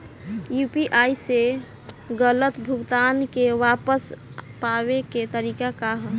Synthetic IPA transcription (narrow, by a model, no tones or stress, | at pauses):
jupiʔajse | ɡələt̪bʱuɡt̪ankeʋapəspaβeket̪əɾikakaɦə